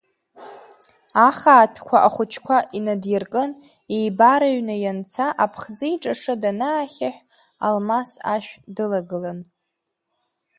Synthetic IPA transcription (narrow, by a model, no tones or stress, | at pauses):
aχaːpʰkʷʰaʔaχʷʊt͡ʃʰkʷʰaʔinadjarkʼɨn | ejbaɾaɥnɨjant͡sʰaʔapʰχd͡zɨiʈ͡ʂʼaʂɨdanaːχʲaħʷᶣ | a̰lmasa̰ʃᶣdɨlaɡɨlan